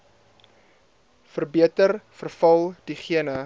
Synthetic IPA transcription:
fərbiətərfərfɐlˠd̥iχiənə

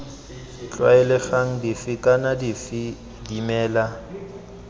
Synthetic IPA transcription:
t͡ɬʼwaɛlɪfaŋ̩difɪkʼanadifi | dimɛːla

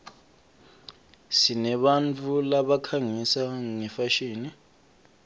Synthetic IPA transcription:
sinɛɓant͡fʰʼulaɓakʰaŋisaŋɛfaʃiːni

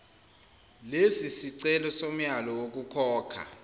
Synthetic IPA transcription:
lesisiǀɛlɔsom̩jalɔwok̬ʼukʰɔːkʰa̰

